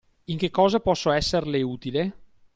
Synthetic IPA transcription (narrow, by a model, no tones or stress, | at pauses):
iŋk̟ekːɔːzapɔsːoɛsːerleuːt̪ile